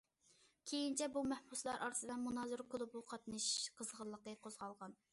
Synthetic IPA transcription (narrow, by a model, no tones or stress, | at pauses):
kʲʰejint͡ʃʰɛbumɛhbuslˠɑɾʔɑ̰ɾɨsɨd̪ɛnmunɑzɨɾkʰʊlˠubuqʰɑt̪nɨʃqʰəzʁəlˠːəqəqʰozʁɑlˠʁɑn